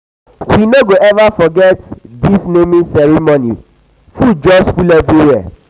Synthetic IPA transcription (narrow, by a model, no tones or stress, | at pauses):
winoɡoʔɛvafɔɡɛtdisnemĩsɛɾimoni | fud͡ʒɔsfulɛviwɛ